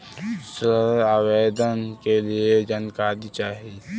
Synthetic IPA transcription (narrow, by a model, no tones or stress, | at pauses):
səaːweːd̪ənkelied͡ʒənkaːd̪it͡ʃaːɦi